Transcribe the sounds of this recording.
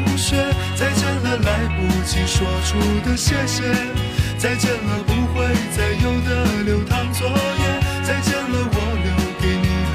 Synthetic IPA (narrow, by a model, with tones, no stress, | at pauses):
ɕɛ˥t͡sa˥˧ɪʈ͡ʂə˥˧ŋɡə˩la˧˥ɪpu˨˥t͡ɕʰi˧˩ʂwɔ˨˧˩ʈ͡ʂʰu˥d̪ə˧ɕɛ˥˧ɕɛ˥t͡sa˥˧ɪʈ͡ʂə˥˧ŋɡə˧˩pu˧˥xwe˥˧ɪt͡sa˥˩ɪjo˥ʊd̪ə˨ljo˧˥ʊt̪ʰɑ˥ŋt͡swɔ˧˥jɛ˥˧nt͡sa˥˧ɪʈ͡ʂɛ˥˧˩nlə˧wɔ˧˥ljo˧˥ʊke˧˥ɪni˨˩